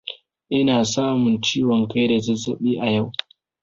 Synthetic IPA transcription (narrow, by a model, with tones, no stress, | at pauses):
ʔɪ˦naː˨saː˦mʊ˨nt͡ʃiː˦wɔ˨ŋka˦jda˨zɐ˦zɐ˦˨ɓiː˦ʔa˨ja˦˨w